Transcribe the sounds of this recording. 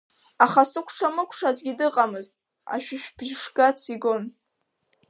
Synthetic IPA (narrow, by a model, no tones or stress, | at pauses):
aχasɨkʷʰʈ͡ʂʰamɨkʷʰʂazʼɡʲidɨqʼamɨztʼ | a̰ʃᶣɪʃᶣb̥ʒʂɡʼat͡sʰiɡon